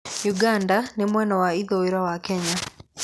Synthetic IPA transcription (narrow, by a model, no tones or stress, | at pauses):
juɡandanemwɛnɔwaiðoeɾwawakɛɲa